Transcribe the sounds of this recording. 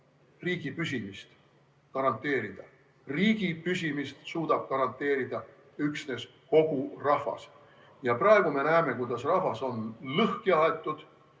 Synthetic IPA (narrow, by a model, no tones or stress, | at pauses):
riːɡ̥ipysimist̪ | kɑɾɑnt̪ːˑe̞ːɾid̪̥ɑ | riːɡ̥ipysʲimist̪suːd̪̥ɑb̥̚kɑɾɑnt̪ːˑe̞ːɾid̪̥ɑ | yksne̞s | ko̞ɡ̥urɑhvɑ̰s | jɑprɑeɡ̥ume̞næeme̞kujd̪̥ɑsrɑhvɑso̞nlɤhkiɑe̞t̪ːˑud̪̥